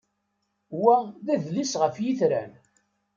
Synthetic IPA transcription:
wæðæðlisʁəfjiθɾæn

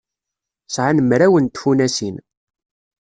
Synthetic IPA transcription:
sʕanəmɾæwənt̪funæsin

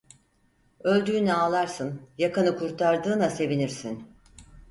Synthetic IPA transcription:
ø̞lʲd̪yːnɛaːlˠaɾsɯnjakanɯkʰuɾt̪ʰaɾd̪ɯːnase̞viniɾsin

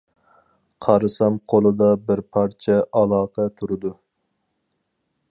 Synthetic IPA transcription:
qʰɑɾɨsɑmqʰolˠɨd̪ɑbɪɾpʰɑɾt͡ʃʰɛʔɑlˠɑːqʰɛt̪ʰuɾɨd̪u

